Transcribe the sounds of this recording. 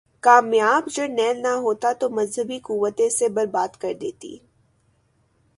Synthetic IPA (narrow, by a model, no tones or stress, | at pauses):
kaːmjaːbd͡ʒɐɾnɛːlnaɦoːt̪at̪omɐzɦəbikuːʋːət̪ẽsebɐɾbaːd̪kɐɾd̪eːt̪ḭː